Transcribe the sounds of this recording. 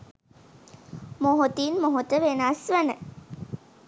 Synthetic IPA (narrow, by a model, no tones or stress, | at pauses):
moɦot̪inmoɦot̪əʋenasʋænə